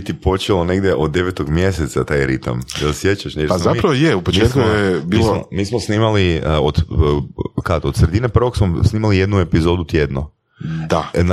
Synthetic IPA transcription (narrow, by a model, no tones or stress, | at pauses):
it̪ipo̞t͡ʃelˠone̞ɡd̪jeʔod̪̚dːe̞ʋet̪oɡmje̞set̪sat̪ajɾit̪a̰md̪asjet͡ɕaʃneazaipɾaʋojeupomt͡ʃiet̪kujebiːlsomomiːsmosniːmaliod̪ | kad̪od̪sɾe̞d̪inepr̩ʋoksmosniːmalije̞d̪nue̞pizo̞d̪ut̪je̞d̪no | d̪̥an